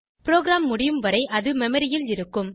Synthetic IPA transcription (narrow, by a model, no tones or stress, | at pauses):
pɪɾoːɡɾaːmːʊɽɪjɯmʋɐɾɐɪʔɐðɯmɛmɐɾɪjɪlɪɾɯkːɯm